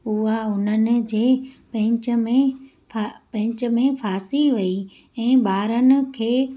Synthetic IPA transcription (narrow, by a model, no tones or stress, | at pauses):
ʊɦaʊnənɪ̆d͡ʑeːpɐ̃ɪ̃t͡ɕəmẽ | apɐ̃ɦɪ̃ɲt͡ɕə̆mẽfaːsiʋɐi | ɛ̃ːbaːɾənɪ̆kʰeː